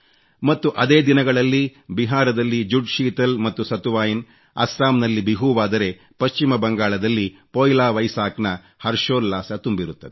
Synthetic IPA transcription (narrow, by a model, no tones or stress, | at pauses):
mɐt̪ːuʔɐd̪e̞ːd̪inɐɡɐɭɐlːibiɦaːɾɐd̪ɐlːid͡ʒuɖʃiːt̪ɐlmɐt̪ːusɐt̪uʋaːjin | ɐ̰sɾaːmnɐlːibiɦuʋaːd̪ɐɾe̞ | pɐst͡ʃimɐbɐŋɡaːɭɐd̪ɐlːipoːjlaːʋɐjsaːknɐ | hɐɾʃoːɾːaːsɐt̪umbiɾut̪ːɐd̪e